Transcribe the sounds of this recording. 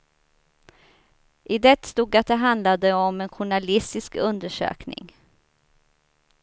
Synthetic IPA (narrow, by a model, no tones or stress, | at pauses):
ʔɪd̪ɛt̪st̪uːɡat̪̚d̪ɛɦand̪lad̪əɔmɛnɧʊɳalɪst̪ɪskɵnd̪əʂø̰ːknɪ̰ŋ